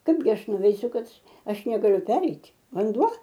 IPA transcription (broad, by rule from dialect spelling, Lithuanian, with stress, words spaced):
ˈkɐɪbʲɡʲɪ ˈɐʃ nʊʋʲɛɪˈsʲʊ ˈkɐt ˈɐʃ nʲɛɡɐˈlʲʊ ˈpʲæːrʲɛɪtʲ ʋɐnˈduɔ